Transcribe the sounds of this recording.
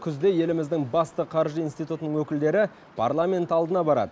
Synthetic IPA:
kʲʰʏzd̪e̞je̞lɪmɪzd̪ɪŋbɑst̪əqʰɑɾʒəinst̪ijt̪ut̪ənəŋwɵkʲɪld̪e̞ɾɪ | pʰa̰ɾlˠamʲe̞nt̪ɑlˠd̪ənɑbɑɾɑ̰d̪ə

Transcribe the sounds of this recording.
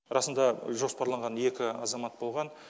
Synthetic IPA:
ɾɑsənd̪ɑʒo̞spɑɾlˠɑɴʁɑne̞kʲɪɑzɑmɑt̪̚bo̞lˠʁɑn

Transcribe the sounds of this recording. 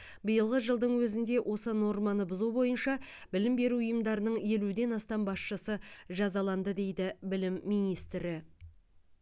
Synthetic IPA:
bijəlˠʁəʒəlˠd̪əɴwɵzɪnd̪e̞wʔo̞səno̞ɾmɑnəbʊzubo̞jənʃɑ | bɪlɪmbe̞ɾuʊjəmd̪ɑɾənəɴje̞lud̪e̞nɑst̪ɑmbɑsʃəsəʒɑzɑlˠɑnd̪əd̪e̞jd̪ɪbɪlɪmːijnijst̪ɾɪ

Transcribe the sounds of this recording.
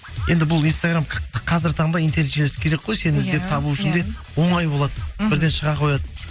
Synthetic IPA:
je̞nd̪ɪbʊlˠinst̪aɡramqʰɑzɪɾɪt̪ʰɑɴd̪ɑint̪e̞net̪ʒelsɪ̥kʲʰe̞ɾekqo̞jse̞nɪzd̪e̞p̚t̪ʰɑbuʏʃɪnd̪e̞ | wo̞ɴɑjbo̞lˠɑd̪əbɪɾd̪e̞nʃəʁɑqʰo̞jɑd̪ə

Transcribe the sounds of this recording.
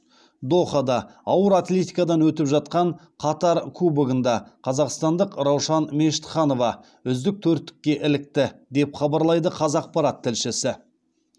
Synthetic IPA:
d̪o̞χɑd̪ɑ | ɑwəɾat̪lʲe̞t̪ijkɑd̪ɑnwɵt̪ɪpʒɑt̪̚qɑɴ | qʰɑt̪ɑɾkʰubəɡənd̪ɑqʰɑzɑqst̪ɑnd̪əqɾɑwʃɑnme̞ʃɪ̥t̪χɑno̞vɑ | ʏzd̪ɪk̚t̪ʰɵɾt̪ːɪ̥kʲːe̞ʔɪlɪk̚t̪ɪd̪e̞pχɑbɑɾlˠɑjd̪əqʰɑzɑq̚pɑɾɑt̪ʰːɪlʃɪsɪ

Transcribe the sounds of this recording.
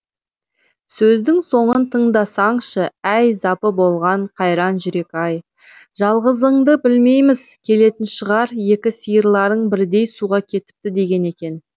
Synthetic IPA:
sɵzd̪ɪŋso̞ɴənt̪ʰəɴd̪ɑsɑɴʃəæjzɑpəbo̞lˠʁɑɴqʰɑjɾɑnʒʏɾe̞kʲɑj | ʒ̥ɑlˠʁəzəɴd̪əbɪlme̞jmɪz̥kʲʰe̞le̞t̪ɪnʃəʁɑɾje̞kʲɪsijəɾlˠɑɾəɴbɪɾd̪e̞jsuʁɑkʲʰe̞t̪ɪ̥p̚t̪ɪd̪e̞ɡʲe̞ne̞kʲe̞n

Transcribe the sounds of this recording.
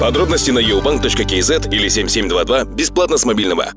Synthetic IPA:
pɐd̪ɾo̞bnəsʲt̪ʲijnɐjewbaŋk̚t̪ot͡ʃkəkʲezɛt̪ilʲɪsʲe̞mʲsʲe̞mʲd̪vad̪vabʲɪsplˠat̪nəsmɐbʲilʲnəva̰

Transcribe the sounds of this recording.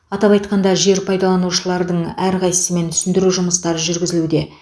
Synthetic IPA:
ɑt̪ɑpɑjt̪̚qɑnd̪ɑʒe̞ɾpʰɑjd̪ɑlˠɑnuʃəlˠɑɾd̪əɴæɾʁɑjsəme̞nt̪ʰʏ̥sɪnd̪ɪɾuʒʊməst̪ɑɾəʒʏɾɡʲɪzɪlud̪e̞

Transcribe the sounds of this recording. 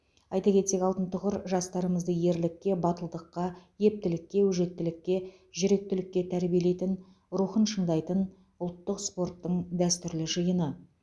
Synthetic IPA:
ɑjt̪ɑkʲe̞t̪se̞kʲɑlˠt̪ənt̪ʰʊʁəɾʒɑst̪ɑɾəməzd̪əje̞ɾlɪkʲːe̞bɑt̪əlˠd̪əqːɑje̞p̚t̪ɪlɪkʲːe̞wɵʒe̞t̪ːɪlɪkʲːe̞ | ʒʏɾe̞k̚t̪ɪlɪkʲːe̞t̪ʰæɾbijele̞jt̪ɪn | ɾuχənʃəɴd̪ɑjt̪ən | ʊlˠt̪ːəqspo̞rt̪ːəɴd̪æst̪ʏɾlɪʒəjənə

